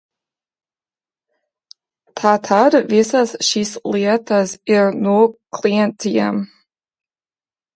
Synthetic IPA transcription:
tʰatʰadvesazʃisliɛtʰazɪɹnokʰliɛntʰia̰m

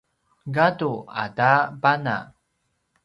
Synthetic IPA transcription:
ɡadua̰dabana̰

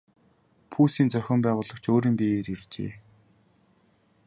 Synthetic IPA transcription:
pʰuːsiːnt͡sœxʲɪ̆mpæːʁʊːɮə̆kt͡ɕʰoːɾiːmpieːɾirt͡ɕḛː

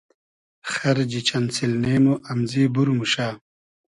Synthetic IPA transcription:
xɐɾd͡ʑit͡ɕɐnsilneːmuʔɐmziːbuɾmuʃaː

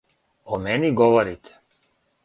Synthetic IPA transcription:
omɛniɡɔʋɔɾit̪ʰɛ̥

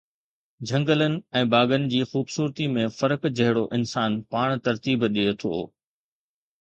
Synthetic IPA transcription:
d͡ʑʱɐ̃ŋɡələnɪ̆ɛ̃ːbaːɡənɪ̆d͡ʑiːxuːbsuːɾt̪imẽfɐɾəkd͡ʑɐɦɪɽoʔɪnsaːnpaːɽ̃t̪ɐɾt̪iːbɗiot̪ʰo̰ː

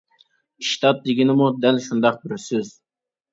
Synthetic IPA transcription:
iʃt̪ʰɑt̪̚d̪ɪɡʲinɪmud̪ælʃund̪ɑq̚bɪɾsyz

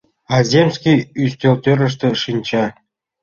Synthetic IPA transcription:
ɑzʲemsʲkʲiyst̪ʲølt̪ʲøɾə̆ʂ̬t̪ĕʂinʲt͡ɕɑ

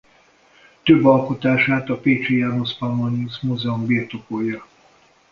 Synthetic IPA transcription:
t̪øbːɒlko̞t̪aːʃaːt̪ɒpeːt͡ʃijanospamonusmuzɛumbirt̪opojɒ

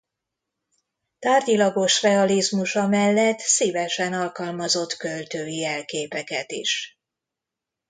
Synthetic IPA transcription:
t̪aːrdilɒɡo̞ʃrɛɒlizmuʃɒmɛlːɛt̪siːvɛʃɛnɒlkɒlmɒzo̞t̪kølt̪øːjiɛlkeːpɛkɛt̪ḭʃ

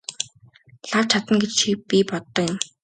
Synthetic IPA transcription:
ɮaw̥t͡ɕʰat̪ə̆ŋɡet͡ɕt͡ɕʰipʲipɔt̪ːɞ̆jʊ̆m

